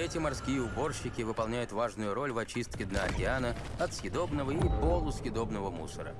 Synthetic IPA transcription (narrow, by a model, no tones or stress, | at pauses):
ɛtʲɪmarskʲijəʊbo̞rɕːɪkʲɪvɨpɐlˠnʲæjʊt̪vaʐnʊjʊɾo̞lʲvɐt͡ɕist̪̚kʲɪd̪naɐkʲɪanəɐt̪sxʲɪd̪o̞bnəvəipolˠʊsʲxʲɪd̪o̞bnəvəmṵsəɾə̰